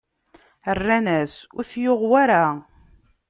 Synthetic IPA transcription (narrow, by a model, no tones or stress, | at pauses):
ərːænæsʊɾθjoʁwaɾa